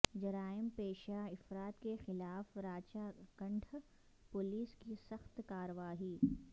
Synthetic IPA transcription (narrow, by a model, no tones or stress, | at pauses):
d͡ʒɐɾaːɪmpeːʃaɪfɾaːt̪kexɪlaːfɾaːt͡ʃakɐ̃ɳɖʰʱ | pʊliːskisɐxt̪kaːɾəʋaːɦiː